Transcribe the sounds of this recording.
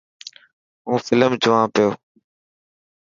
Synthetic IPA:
ɦũːfɪləmt͡ʃʊʋãːpɪjoː

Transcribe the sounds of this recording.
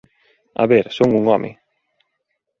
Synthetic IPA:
a̰βeɾsoŋuŋɔmʔɪ̰

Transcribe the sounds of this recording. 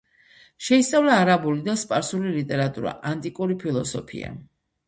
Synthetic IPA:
ʃɛist̪sʼavlaːɾabulid̪aspʼaɾsulilit̪ʼɛɾat̪ʼuɾa̰ʔant̪ʼikʼuɾipʰilˠɔsɔpʰḭa̰

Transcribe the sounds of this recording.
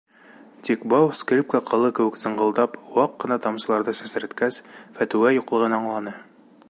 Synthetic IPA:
t̪ʲikbɑwsklʲip̚kæqʰɤ̆lˠɤkɘ̆wɘksɤ̆ɴɢɤ̆lˠd̪ɑpwɑqːɤ̆nɑt̪ɑmsɤ̆lˠɑɾd̪ɤsɘ̆sɘ̆ɾɘ̆t̪kæsfæt̪ʉwæjuqlˠɤ̆ʁɤ̆nɑɑɴlˠɑnɤ

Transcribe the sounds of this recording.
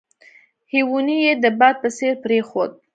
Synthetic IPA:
hiwunijed̪əbɑd̪̚pəseɾpɾexod̪̚

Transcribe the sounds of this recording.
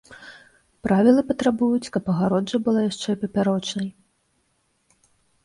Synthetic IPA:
pɾavʲilˠɨpɐt̪ɾabujut͡sʲkɐpɐɣaɾɔd͡ʐɐbɨlˠajaʂt͡ʂɛpɐpʲaɾɔt͡ʂnɐj

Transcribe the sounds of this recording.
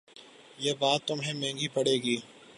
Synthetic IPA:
jeːbaːt̪ːʊmɦẽmɛ̃ːŋɡipɐɽeːɡiː

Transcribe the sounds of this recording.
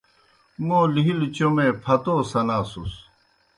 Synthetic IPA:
mõːliɦilt͡ɕomẽpʰɐt̪oːsɐnaːsus

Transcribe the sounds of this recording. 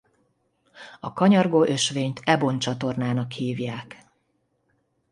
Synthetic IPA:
ɒkɒɲɒrɡoːʔø̞ʃʋeːɲt̪ʰɛbo̞nt͡ʃɒt̪o̞rnaːnɒkhiːvjaːk

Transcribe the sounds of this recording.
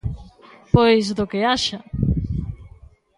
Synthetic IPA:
pojsðʊkɪaʃɐ

